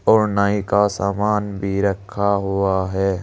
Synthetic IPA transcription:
ɔːɾnaĩkasaːmaːnbʱiɾɐkʰːaɦʊaɦɛː

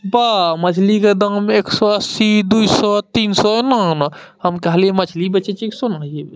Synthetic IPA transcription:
bamɐt͡ʃʰliked̪ameːksɔəsid̪uisɔt̪iːnsɔɛnana | həmkɐɦliemɐt͡ʃʰlibɐt͡ʃet͡ʃiksonaie

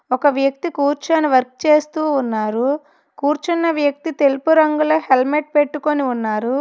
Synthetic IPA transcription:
ɔkɐʋjɐk̚t̪ikuːɾt͡ʃɐniʋɐɾk̚t͡ʃe̞ːst̪uːnːaːɾu | kuːɾt͡ʃɐnːɐʋjɐk̚t̪it̪e̞lupuɾɐŋɡuloːhelmeʈ̚peʈːuko̞niunːaːɾu

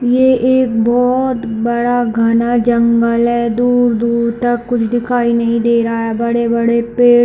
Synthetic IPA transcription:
jeʔeːk̚bɔːt̪bɐɽaɡʱɐnad͡ʒɐ̃ŋɡəlɦɛːd̪uːɾd̪uːɾt̪ɐkːʊt͡ʃʰd̪ɪkʰaːinɐɦĩd̪eːɾaaɦɛbɐɽebɐɽepeː

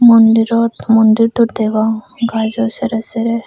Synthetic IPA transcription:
mɔnd̪iɾɔt̪mɔnd̪iɾt̪uɾd̪eɡa | ɡazɔsɛɾɛsɛɾɛ

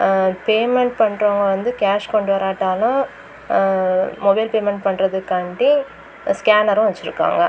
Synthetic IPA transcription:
peːmɛɳʈpɐɳːɾoːŋɡɐʋɐnd̪ɯkaːʂkɔɳɖɯʋɐɾaːʈːaːlʊ̃ | mɔbɐɪlpeːmɛɳʈ̚pɐɳɾɐðɯkːɐːɳʈĩ | skaːnɐɾʊ̃ʋɛt͡ʃːɪɾɯkːa̰ːŋɡɐ

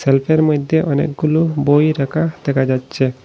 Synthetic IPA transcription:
selpʰeɾməd̪ʱjeʔənḛk̚ɡulubojɾəkʰad̪̥ekʰad͡ʒad̪t͡ʃʰe

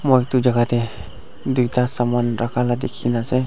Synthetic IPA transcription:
mojtud͡ʒaɡate | dujtasamanɾakʰaladekʰinase

